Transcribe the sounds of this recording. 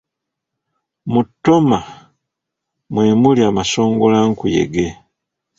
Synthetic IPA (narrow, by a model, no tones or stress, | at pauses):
mutːo̞ma | mwe̞ːmuliamaso̞ːŋɡolaŋkujḛɡe